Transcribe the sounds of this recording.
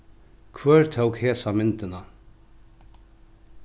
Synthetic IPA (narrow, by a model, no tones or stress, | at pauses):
kʰvœːɹt̪ʰowkheːsamɪnt̪ɪna